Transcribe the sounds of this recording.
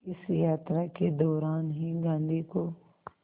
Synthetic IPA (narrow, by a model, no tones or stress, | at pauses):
ɪsjaːt̪ɾaked̪ɔːɾaːnɦĩɡãːnd̪iːkoː